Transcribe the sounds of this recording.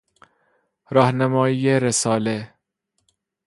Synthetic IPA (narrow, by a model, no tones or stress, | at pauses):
ɾɒːhnæmɒːiːjeɾesɒːle